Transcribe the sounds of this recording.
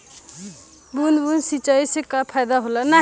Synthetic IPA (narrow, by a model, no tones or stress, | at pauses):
bunbunsit͡ʃəjsekapʰajd̪aɦoləna